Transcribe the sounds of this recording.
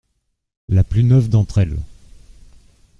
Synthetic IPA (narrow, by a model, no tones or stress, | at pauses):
laplynœvd̪ɑ̃t̪χɛl